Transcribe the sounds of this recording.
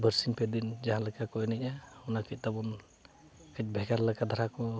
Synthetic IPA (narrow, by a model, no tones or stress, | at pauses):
bəɾsiŋpɛd̪ind͡ʒaɦãləkakɔjnɛcahunakic̚t̪abɔn | kət͡ʃ̚bʱɛɡaɾləkad̪ʱaɾakɔ